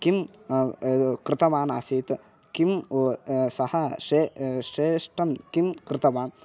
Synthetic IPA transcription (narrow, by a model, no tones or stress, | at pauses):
kim | kɾɪt̪ɐʋaːna̰ːsiːt̪ | kim | sɐhɐʃeːʂeːʂʈɐnkimkɾɪt̪ɐʋaːn